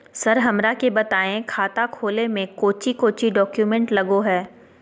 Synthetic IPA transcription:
sɐɾɦɐmɾakebɐt̪aːẽkʰaːt̪akʰoːlemẽkoːt͡ʃikoːt͡ʃiɖɔːkjumɛ̃ɳʈlɐɡoɦɛː

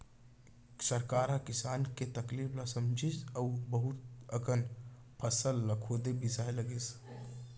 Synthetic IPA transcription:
səɾkaɾakisaːnket̪əklipʰlasəmd͡ʒisəbəɦut̪̚əɡən | pʰəsəlːəkʰod̪ebisaɦeləɡes

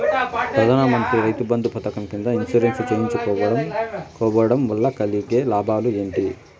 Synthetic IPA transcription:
pɾɐd̪aːnamɐnt̪ɾiɾɐjt̪ubɐnd̪upɐt̪ɐkɐmkind̪ɐinsuɾensut͡ʃeːjiɲt͡ʃukɔːʋɐɽɐmkɔːʋɐɐɽɐmʋɐlːɐkɐlːikeːlaːbʱaːlue̞ːɳʈi

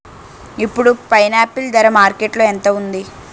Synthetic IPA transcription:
ipːuɽupɐjnaːpːild̪ɐɾɐmaːɾkeʈloːɛnt̪ɐund̪i

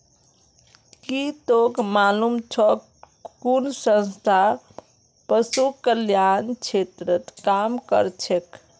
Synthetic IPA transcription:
kit̪okmalumt͡ʃʰɔ | kunsə̃nst̪ʰa | pəsukəljant͡ʃʰet̪ɾət̪kamkə̰ɾt͡ʃʰek

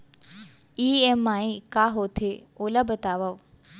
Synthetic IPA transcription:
iːemaːikaːɦoːt̪ʰeoːlɐbət̪aːʋɐʋ

